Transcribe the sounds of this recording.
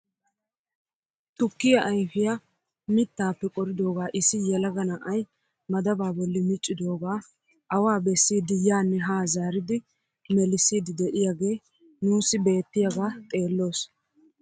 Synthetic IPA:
t̪ʊkːɪjɐʔɐjfɪja | mɪt̪ːaːpːɛkʼɔɾɪd̪o̞ːɡaːʔɪsɪjɛlɐɡɐnɐʔɐj | mɐd̪ɐbaːbɔlːɪmɪt͡ʃʼːɪd̪o̞ːɡaː | ʔɐwaːbɛsːiːd̪ɪjaːnːɛɦaːzaːɾɪd̪ɪ | mɛlɪsːiːd̪ɪd̪ɛʔɪjaːɡe̞ː | nuːsːɪbe̞ːt̪ːɪjaɡaːt̪ʼe̞ːlːo̞ːs

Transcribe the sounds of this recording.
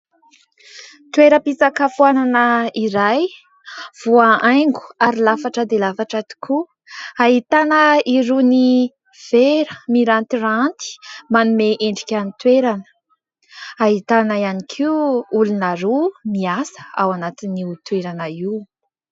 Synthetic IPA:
t̪weɾəpisakafuananəiɾaj | v̥uaʔajŋɡu̥aɾilafaʈ͡ʂəd̪elafaʈ͡ʂat̪i̥kʰu | aɦit̪anəiɾuni | v̥eɾəmiɾant̪irant̪i̥manumeʔeɳɖ͡ʐikʲanit̪weɾanə̥ | aɦit̪anaianikʰiuulunaɾumiasə̥a̰wanat̪iniut̪weɾanai

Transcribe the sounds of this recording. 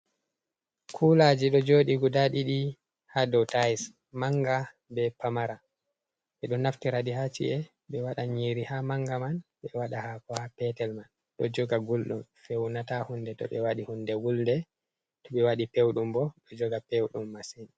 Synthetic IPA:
kʰulad͡ʒiɗɔd͡ʒoːɗiɡudaɗiɗi | hadɔtajs | maŋɡa | bɛpamaɾa | ɓɛɗɔnaftiɾadiɦat͡ʃḭʔɛ | ɓɛwaɗaɲiɾihamaŋɡamanɓɛwaɗahakɔhapɛtɛlman | ɗɔ̰d͡ʒɔɡaɡulɗumfewnatahundɛtɔ̰ɓɛwaɗihundɛwuldɛ | tɔɓɛwaɗipewɗumbɔɗɔd͡ʒɔɡapewɗumːasini

